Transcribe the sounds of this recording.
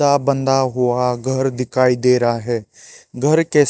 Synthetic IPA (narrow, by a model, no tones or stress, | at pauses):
abə̃nd̪aɦuaɡʱəɾd̪ɪkʰaːid̪eːɾaɦɛːɡʱəɾke